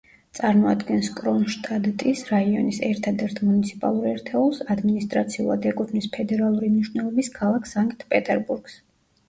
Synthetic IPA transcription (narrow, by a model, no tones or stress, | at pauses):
t̪sʼaɾmɔad̪ɡɛnskʼɾɔnʃt̪ʼad̪t̪ʼisɾaiɔnisɛɾt̪ʰad̪ɛɾt̪ʰmunit̪sʰi̥pʼa̰lˠuɾɛɾt̪ʰɛulˠsad̪minist̪ʼɾat̪sʰiṵlˠa̰d̪ɛkʼut̪ʰnispʰɛd̪ɛɾalˠuɾimniʃwnɛlˠɔbiskʰalˠakʰsaŋkʼt̪ʰpʼɛt̪ʼɛɾbuɾɡ̥s